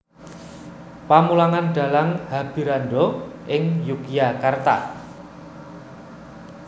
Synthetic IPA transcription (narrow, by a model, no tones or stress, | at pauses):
pamulaŋanɖ̥a̤laŋhab̥i̤ɾanɖoʔɪŋjukijakart̪a̰